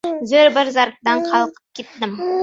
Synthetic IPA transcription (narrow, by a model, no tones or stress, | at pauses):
zɵɾbɪɾzɑɾk̚d̪ɑɴqʰɑlˠqə̥p̚kʲʰet̪ːɪm